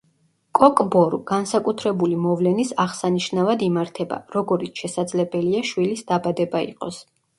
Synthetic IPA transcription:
kʼɔkʼbɔɾuɡ̥ansakʼut̪ʰɾɛbulimɔvlɛnisaʁsaniʃnavad̪imaɾt̪ʰɛba̰ɾɔɡɔɾit̪ʃɛsad̪zlɛbɛliaʃwilisd̪abad̪ɛbaḭqʼɔ̰s

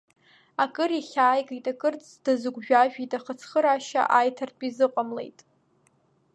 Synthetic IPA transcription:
akʼɨɾiχʲaːjɡʼijtʼakʼɨrt͡sʼdazɨɡʷʒᶣaʒᶣitʼaχət͡sʰχəɾaʃa̰ʔajtʰartʼizɨqʷʼamle̞̰jtʼ

